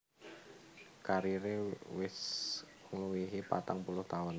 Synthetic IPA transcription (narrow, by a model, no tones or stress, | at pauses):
kaɾiɾewɪs | ŋluwiɦipa̰t̪aŋpulʊht̪aʊn